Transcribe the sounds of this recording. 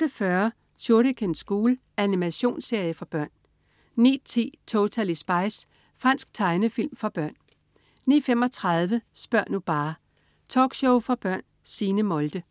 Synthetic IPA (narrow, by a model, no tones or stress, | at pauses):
d̥əfɶɐ | ɕʰo̝ɐɾəkʰensɡ̥uːl | ʔænimæɕo̝̰ːnse̝ɐjəfɒ̽b̥ɶɐ̰n | nḭ̥ːt͡sʰe̝̰ːt͡sʰo̝t͡sʰælisb̥ɑ̈ɪs | fʁɑn̰sɡ̥̚t͡sʰɑ̈ɪnəfil̰mfɒ̽b̥ɶɐ̰n | niːfem̰ɒ̽t͡sʰʁɑðˠʋəsb̥ɶɐ̰nub̥ɑ̈ː | t͡sʰɒ̰ːɡ̥ɕoʊfɒb̥ɶɐ̰n | siːnəmɒ̽ld̥ə